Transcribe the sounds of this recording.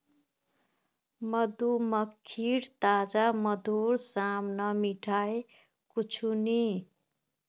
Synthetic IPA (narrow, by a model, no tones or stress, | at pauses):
mʌd̪umʌkʰːiɽt̪ad͡zamʌd̪ʱuɾsamnʌmiʈʰae | kut͡sʰuni